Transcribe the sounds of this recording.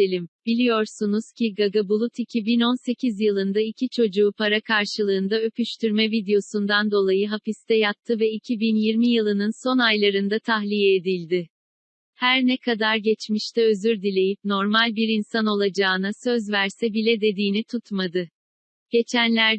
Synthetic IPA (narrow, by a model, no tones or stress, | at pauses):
elʲimb̥ilʲijo̞ɾsunuz̥cʰiɡaɡabulˠut̪ʰicʰibino̞nse̞cʰizjɯlˠɯnd̪aicʰit͡ʃʰo̞d͡ʒuːpʰaɾakʰaɾʃɯlˠɯːnd̪aø̞pʰyʃt̪ʰyɾmɛvid̪ejo̞sund̪and̪o̞lˠajɯɦapist̪ʰɛjat̚t̪ʰːɯvɛicʰibinjiɾmijɯlˠɯnɯnso̞najlˠaɾɯnd̪at̪ʰaɦlʲijɛed̪ilʲd̪ɪ | hæɾnɛkʰad̪aɾɟɛt͡ʃmiʃt̪ʰɛøzyɾd̪ilʲe̞jipno̞ɾmalʲbiɾinsano̞lˠad͡ʒaːɯnasø̞zvæɾsɛbilʲɛd̪e̞d̪iːnit̪ʰut̪mad̪ɯ | ɟ̥e̞t͡ʃʰænlʲæɾ